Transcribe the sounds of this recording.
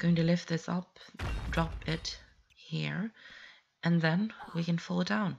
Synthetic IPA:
ɡoʊɪ̃ŋtɨlɪft̪̚ðɪsʌ̰p̚d̥ɹɑpɪt̚ | hiɹ | ʔɨ̃nðɨ̃nwikɨ̃nfʊlˠət̚d̥ãʊ̃n

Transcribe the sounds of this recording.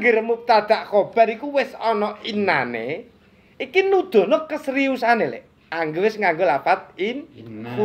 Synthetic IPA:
ŋɡɪɾəmup̚t̪ad̪̥aʔkob̥a̤ɾikuwɪsɔnɔinanḛ | ikinud̪̥ɔ̤nɔkəsɾiusanelḛʔ | aŋɡewɪsŋaŋɡolapat̪̚ɪnku

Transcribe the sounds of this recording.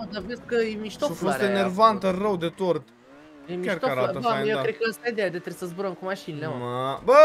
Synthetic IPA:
od̪aveskəjemiʃt̪oofost̪enervant̪ərəwd̪et̪ort̪ | jemikʲakt̪oaɾaəbajewkɾed̪̚kəəst̪aid̪ead̪et̪ɾesəzbuɾəmkumaʃinilemabə

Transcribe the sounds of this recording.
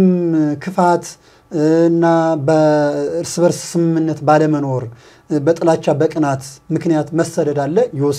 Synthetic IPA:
mkʰɨfat̪ | ɨnːabəɨɾsɨβəɾssɨmɨmːɨnːət̪baləməno̞ɾ | bət̪ʼɨlat͡ʃːabəkʼɨnat̪mɨknijat̪məsəd̪əd̪alːəjɛwɔs

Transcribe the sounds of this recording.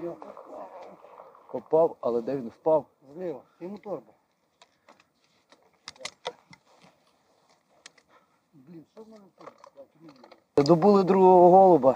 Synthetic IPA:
pɔpɑwɐlˠɛd̪ɛʋʲinwpɑwznɪmt̪ɔrb | b | ɛd̪ɔbulˠɪd̪ɾuɦɔɦɔɦɔlˠɔbɐ

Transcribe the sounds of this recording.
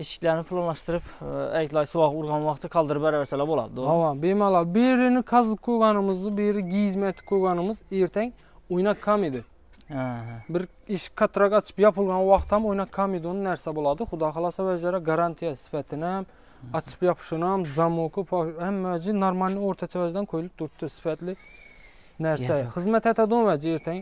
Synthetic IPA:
iʃi̥kʲlæɾnɪpʰlˠɑnlˠɑʃt̪ɨɾɨpɛkʲlˠɑjsuwɑʁuɾʁɑnwɑχt̪ʰɨkʰɑlˠd̪ɨɾɨpæɾvæsɛlˠæbolˠɑ̰d̪uɑwɑbemɑlˠɑd̪beɾɪnɪkʰɑzɨp̚kʰojʁɑnɨmɨzd̪ɨbeɾɪɡʲizmɛt̪ʰɪ̥p̚kʰoɾʁɑnɨmɨzeɾt̪ʰɛŋʲ | ojnɑkʰːɑmid̪ɪ | bɪɾ | iʃkʰːɑt̪ʰɾɑkɑt͡ʃʰɨ̥pjɑpʰɨlˠʁɑnwɑχt̪ɑmojnɑkʰːɑmid̪onɨnæɾsɛbolˠɑd̪ɨχʊd̪ɑːχɑlˠɑsɑwɛd͡ʒɛɾɛɡɑɾɑnt̪ʰijɛsɪ̥fɛt̪ʰɪnɪhɛm | ɑt͡ʃʰɨ̥pjɑpʰʃunɑmzɑmokʰɨpʰɛmːɛd͡ʒɪnɑɾmɑlnioɾt̪ʰɑt͡ʃʰɑwæd͡ʒd̪ɛnkʰojlɪp̚t̪ʰʊɾt̪ʰːɨsɪ̥fɛt̪lɪ | næɾsɛχɨzmɛt̪hɛt̪ʰɛd̪onwɛd͡ʒieɾt̪ʰɛŋ

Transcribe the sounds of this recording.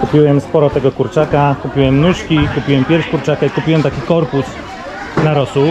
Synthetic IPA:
kupʲiwɛmspɔɾɔt̪ɛɡɔkuɾt͡ʂakakupʲiwɛmnuʂkʲikupʲiwɛmpʲjɛɾʂkuɾt͡ʂakaikupʲiwɛmt̪akʲikɔɾpus | naɾɔsu

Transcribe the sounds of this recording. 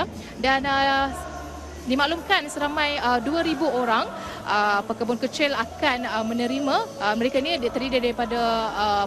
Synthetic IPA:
danə | dimaʔlumkansəɾamãjəduaɾibuoɾaŋ | ʔəpəkəbʊnkət͡ʃɪlakanəmə̃nəɾimãməɾekainidt̪əɾidadaɾipadaː

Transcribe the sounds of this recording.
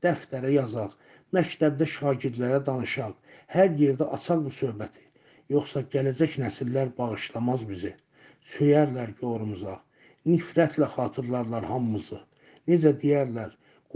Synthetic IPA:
d̪̥æft̪æɾæjɑzɑʁ | mæct̪ʰæb̚d̪æʃɑːɟiɾd̪læɾæd̪ɑnɯʃɑʁhæɾje̞ɾd̪æʔɑt͡ʃʰɑʁbusø̞hbæt̪ʰi̥ | jo̞χsɑɟælæd͡ʒæcnæsilːæɾbɑʁɯʃlˠɑmɑzbizi | søjæɾlæɾɟo̞ɾumuzɑ | nifɾæt̪ʰlæχɑːt̪ʰɯɾlˠɑɾlˠɑɾhɑmːɯzɯ | ne̞d͡ʒæd̪ijæɾlæɾ | ɡ

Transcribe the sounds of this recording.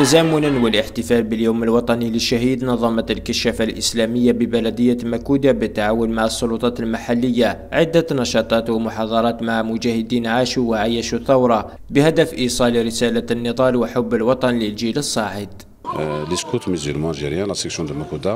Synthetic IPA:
t̪æzæːmʊnanwəlʔəħt̪əfælbəljuːməlwɑt̪ˤɑniləʃːaɦid̪nɑðˤːɑmɑlkəʃæfalʔəslæməjːabəbælæd̪əjːamækud̪abət̪ːaʕawʊnmaʕəsˤːʊlut̪ˤɑt̪əlmaħalːəjːa | ʕɪd̪ːanɑʃɑt̪ˤɑt̪wəmʊħɑd̪ˤɑɾˤɑt̪maʕmʊd͡ʒæhəd̪iːnʕaʃuwʕajæʃuθawɾˤɑ | bəhæd̪əfʔisˤɑliɾəsælanːəd̪ˤɑlwəħʊbːəlwɑt̪ˤɑnləlʒiləsˤːɑʕəd̪ | ləskut̪məzilmɑʒiɾjanlɑsəksjund̪əmækud̪a

